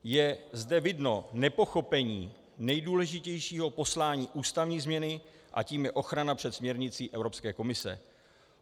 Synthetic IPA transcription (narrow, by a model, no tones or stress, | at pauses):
jɛzdɛvɪdno̞nɛpo̞xo̞pɛɲiː | nɛjduːlɛʒɪcɛjʃiːɦo̞po̞slaːɲiːʔuːst̪avɲiːzmɲɛnɪ | ʔa̰ciːmjɛʔo̞xɾanapr̝̥ɛt̪smɲɛɾɲɪt͡siːʔɛvɾo̞pskɛːko̞mɪsɛ̰